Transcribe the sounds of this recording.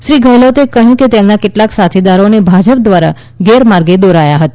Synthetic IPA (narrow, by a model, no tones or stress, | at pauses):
ʃɾiɡʱəjlot̪ekəɦjũket̪emnakeʈlaksat̪ʰid̪aɾonebʱad͡ʒəp̚d̪ʋaɾa̰ | ɡeɾmaɾɡed̪oɾajaɦət̪a